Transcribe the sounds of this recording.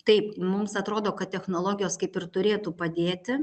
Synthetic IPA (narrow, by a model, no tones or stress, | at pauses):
t̪ɐɪpmʊmsɐt̪ɾoːd̪oːkɐt̪ʲt̪ʲɛxnoːlˠoːɡʲɪjoːskɐɪpɪrt̪ʊɾʲeːt̪uːpɐd̪ʲeːt̪ʲɪ